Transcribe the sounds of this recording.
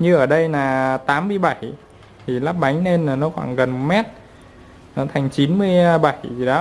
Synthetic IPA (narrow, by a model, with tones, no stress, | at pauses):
ɲɨ˧ʔəː˧˩ɗə˧jnaː˨˩t̪aː˨˦mːɨ˧əjɓa˧˩j | t̪ʰi˨˩laː˦˥p̚ɓa˨˦jŋ̟ne˧nːaː˨˩nɔ˨˦xwa̰ː˧˩ŋɣə˨˩nmɛ˦˥t̚ | nɔ˨˦t̪ʰa˨˩jŋ̟t͡ɕi˨˦nmɨ˧əjɓa˧˩jzi˨˩ɗɔ˨˦